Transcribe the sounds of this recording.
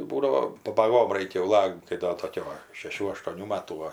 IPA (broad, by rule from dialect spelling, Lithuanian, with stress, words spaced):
ˈbuːdɐʋoː pɐbɐˈɡoːm ˈrɐɪkʲɛ jɛʊ ˈlˠɐkt kɐɪ ˈdoː ˈtoːkʲʊ ʋɐ ʃʲɛˈʃʲuː ɐʃtuɔˈnʲuː ˈmɑːtuː ˈʋɐ